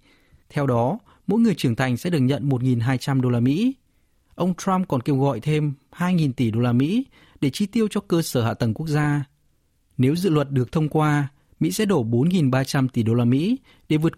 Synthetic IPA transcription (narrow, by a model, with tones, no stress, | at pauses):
t̪ʰɛ˧wɗɔ˨˦ | mo̰˧˥jŋɨ˨˩əjt͡ɕɨ˧˩əŋt̪ʰa˨˩jŋ̟sɛ̰˧˥ɗɨ˨˩ək̚ɲə̰˧˨nmo˨˩t̚ŋi˨˩nɦaː˧jt͡ɕa˧mɗo˧laː˧mḭ˧˥ | ʔə˧wŋ͡mt̪ɹa˧mkɔ˨˩nke˧wɣɔ̰˧˨jt̪ʰe˧mhaː˧jŋi˨˩nt̪i˧˩ɗo˧laː˧mḭ˧˥ | ɗe˧˩t͡ɕi˧t̪i˧əwt͡ɕɔ˧kəː˧səː˧˩a̰ː˧˨t̪ə˨˩ŋku˦˥ək̚zaː˧ | ne˨˦wzɨ̰˧˨lwə˨˩t̚ɗɨ˨˩ək̚t̪ʰə˧wŋ͡mkwaː˧ | mḭ˧˥sɛ̰˧˥ɗo˧˩ɓo˨˦nŋi˨˩nɓaː˧t͡ɕa˧mt̪i˧˩ɗo˧laː˧mḭ˧˥ | ɗe˧˩vɨ˨˩ət̚